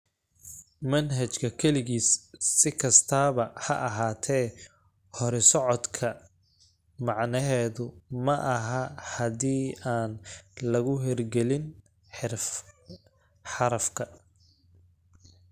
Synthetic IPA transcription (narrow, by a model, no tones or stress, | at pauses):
mɐnɦɐt͡ʃkʰɐkʰɛlɪɣiːsːɪkʰɐst̪ʰaːβɐhɐʔɐɦaːt̪ʰɛː | hɔɾɛsɔʕɔd̪kʰɐ | mɑʕnɐɦɛːðʊmɐʔɐɦɐhɐðiːaːnlɐɣʊɦɛrɡɛlɪn | ħ | ħɑɾɐfkʰɐ